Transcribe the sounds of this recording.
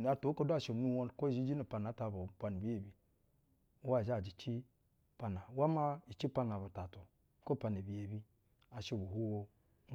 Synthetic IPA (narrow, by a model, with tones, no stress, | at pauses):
n˨a˨to˨˦ko˦do˦a˦˨ʃo˨nu˦wo˦n˨ko˦d͡ʒi˦d͡ʒi˦no˨pa˨na˨˦ta˨bo˨pa˨ni˨bi˦e˨bi˨ | u˦wa˦˨d͡ʒa˦˨d͡ʒi˨t͡ʃi˦ | pa˨na˨˦wa˦ma˦i˨t͡ʃi˦pa˦n˨a˨βo˨ta˨to˨ | ko˦˨pa˨ne˨bi˨je˨bi˦ | a˨ʃo˦˨bo˨hu˦wo˦